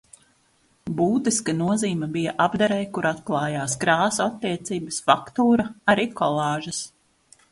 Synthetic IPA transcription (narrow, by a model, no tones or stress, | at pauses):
buːt̪iskanuɔziːmɐbijaʔabd̪aɾɛjkuɾat̪klˠɑːjaːskɾaːsɔat̪ːiɛt̪siːbɐsfakt̪uːɾɐaɾiːkʰɔlˠɑːʒɐs